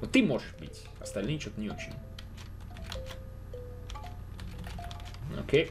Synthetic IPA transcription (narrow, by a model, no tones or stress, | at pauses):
vot̪ːɨmo̞ʐɨʂbɨ̰tʲ | ɐst̪ɐlʲnɨjt͡ɕot̪ənʲɪo̞t͡ɕɪ̰nʲ | o̰kʲej